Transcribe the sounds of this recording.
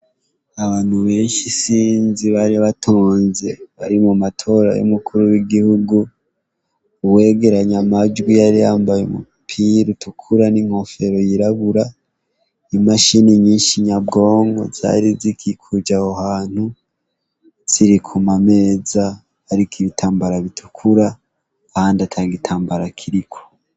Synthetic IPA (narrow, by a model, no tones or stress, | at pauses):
aβaːn̥huβeːnʃisiːnziβaɾiaβatʰoːnze̞βaɾimumatʰo̞ɾa̰jṵmukʰuɾuwiɡihuɡu | we̞ːɡe̞ɾaɲamad͡ʒɡwijaɾijaːmbajemṵ | pʰiɾutukʰuɾaniŋ̥ho̞fe̞ɾo̞jiɾaβuɾa | imaʃiniɲiːnʃiɲabɡo̞ːŋɡo̰z̥a̰ɾizikʰikʰud͡ʒahohaːn̥hu | z̥iɾikʰumame̞ːzaː | ɾikiβitʰaːmbaɾaβitʰu̥kʰuɾaː | haːndatʰaɡitʰaːmbaɾakʰiɾikʰo̥